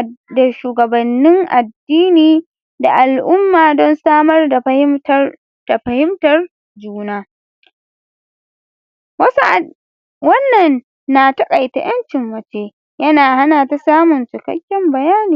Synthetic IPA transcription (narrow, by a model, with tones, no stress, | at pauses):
da˨ʃuː˨ɡɐ˨bɐ˨nːɪ˦ŋʔa˨dːiː˦niː˨ | da˨ʔa˨lʔʊ˦mːaː˨dɔ˦nsaː˦mɐ˦rda˨˦ | d̥a˨ɸɐ˨hɪ˦mtɐ˨r | d͡ʒuː˦naː˦ | wɐ˦s | wɐ˦nːɐ˨nː | a˨tɐ˦kʼa˨jta̰˨j̰ɐ˦nt͡ʃɪ˨mːɐ˨t͡ʃeː˦ | jɐ˦naː˨ha˦naː˨ta˦saː˦mʊ˨nt͡ʃɪ˨kɐ̰˦kʲːɪ˦mbɐ˨jaː˦niː˨